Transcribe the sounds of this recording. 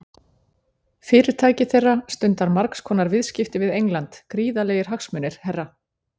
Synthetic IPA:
fɪːɾɪɾ̥t̪ʰaːjcɪθejrːast̪ʏnt̪aɾmaɾkskʰɔːnaɾvɪðscɪft̪ɪvɪðejŋlant̪kɾiːðaleːjɪɾ̥ɦaxsmʏnːɪɾ̥hɛrːa

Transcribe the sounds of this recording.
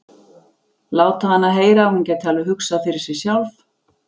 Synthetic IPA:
laːwt̪ahanːaðɦeːjɾahuncɛːt̪halvʏɦʏksaðfɪɾɪɾ̥sɛ̥sjawlf

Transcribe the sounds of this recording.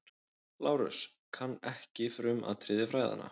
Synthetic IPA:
laːwɾʏ̰s | kʰanːɛhcɪfɾʏmʔa̰ðt̪ʰɾɪːðjɪfɾaːjða̰nːa̰

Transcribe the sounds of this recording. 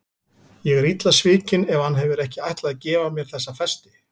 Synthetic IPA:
jɛɣɛɾit̪lasvɪːcɪnɛvhanɦɛvɪɾɛhcɪajht̪laðacɛːvamjɛɾ̥θɛsːafɛst̪ɪ

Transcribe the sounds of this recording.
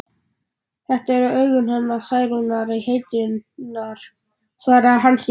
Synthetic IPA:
θɛht̪aɛɾʏœːɥɣʏnhanːasaːjɾunaɾiheːjt̪ɪnaɾ̥ | θvaːɾaɦans

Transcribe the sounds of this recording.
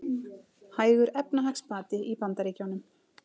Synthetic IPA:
haːjɣʏɾɛpnaɦakspaːt̪ɪʔipant̪aɾiːcawnʏm

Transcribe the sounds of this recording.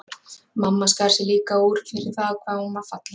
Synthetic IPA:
mamːaskaɾ̥sɪliːkauːɾ̥fɪɾɪɾ̥θaːðkʰvaːðhumḁfat̪la

